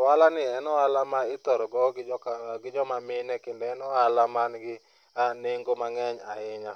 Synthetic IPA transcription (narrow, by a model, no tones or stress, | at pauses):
walanɪɛnɔalamaɪt̪ɔɾɔɡɔɡɡɪd͡ʒɔmamɪnɛkendɛɛnɔalamanɡɪ | aneŋɡomaŋɛɲa̰ɪɲa